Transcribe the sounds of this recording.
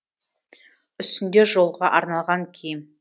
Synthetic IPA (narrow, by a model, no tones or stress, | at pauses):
ʏst̪ɪnd̪e̞ʒo̞lˠʁɑʔɑɾnɑlˠʁɑŋkʲʰejɪm